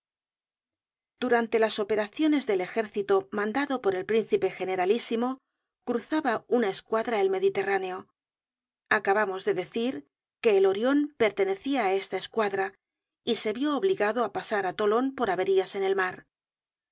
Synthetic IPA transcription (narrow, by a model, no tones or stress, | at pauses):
d̪̥uɾant̪e̞laso̞pe̞ɾaθjo̞ne̞zðe̞le̞xe̞ɾθit̪omãnd̪aðo̞po̞ɾe̞lpɾin̟θipe̞xe̞ne̞ɾalisimo̞ | kɾuθaβaunae̞skwaðɾaelme̞ðit̪e̞raneo̞ | akaβamo̞zðe̞ðe̞θiɾ | ke̞ːlo̞ɾjo̞mpe̞ɾt̪e̞ne̞θiaːe̞st̪aeskwaðɾa | ise̞βjo̞ːβliɣaðoapasaɾat̪o̞lo̞npo̞ɾaβe̞ɾiase̞ne̞lmaɾ